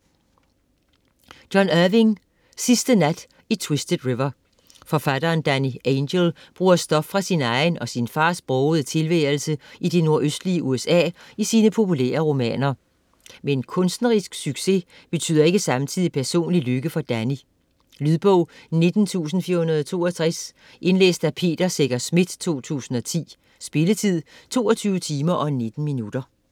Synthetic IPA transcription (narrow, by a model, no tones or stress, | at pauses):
d̥jɒ̽næʋiŋ | sisd̥ənæd̥ | it͡sʰwesd̥əd̥ʁiʋɐ | fɒ̽fæd̥ɐːnd̥ænienɡelb̥ʁuːɐsd̥ɒ̽b̥fʁɑ̈sinɑ̈ɪnɒ̽sinfɑ̈ːsb̥ʁɔʊð̞̩ˠət͡sʰe̝lʋɛːɐl̩səʔid̥e̝no̝ɐʔøsd̥liəʔuesɛ̰ːisiːnəpʰo̝pʰulæ̰ːɐʁo̝mɛ̰ːnɐ | menkʰɔ̽nsd̥n̩ʁisɡ̥syɡ̥se̝ | b̥e̝t͡sʰy̰ð̰ˠɐe̝ɡ̥əsɑ̈mt͡sʰið̰ˠipʰæɐso̝̰ːnliløɡ̥əfɒ̽d̥æni | lyðˠb̥ɔʊne̝d̥n̩t͡sʰṵːsn̩fiɐhunɐð̞ˠt͡sʰo̝̰ːɒt͡sʰʁɛs | ʔe̝nlḛːsd̥æpʰe̝̰ːd̥ɐseɡ̥ɐsmid̥t͡sʰo̝̰ːt͡sʰṵːsn̩ɒ̽t͡sʰḭː | sb̥e̝lət͡sʰið̰ˠt͡sʰo̝̰ːɒt͡sʰyːʊət͡sʰiːmɐʔɒ̽ne̝d̥n̩minud̥ɐ